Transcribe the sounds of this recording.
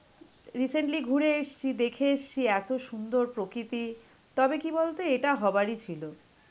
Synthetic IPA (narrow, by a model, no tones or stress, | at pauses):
ɾiseɳʈliɡʱuɾeeʃt͡ɕʰid̪ekʰeeʃt͡ɕʰiɛt̪oʃund̪oɾpɾokɾit̪i | t̪ɔbekibolt̪eeʈaɦɔbaɾit͡ɕʰilo